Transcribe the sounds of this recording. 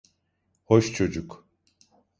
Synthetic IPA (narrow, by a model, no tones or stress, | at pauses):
hoʃt͡ʃʰo̞d͡ʒuk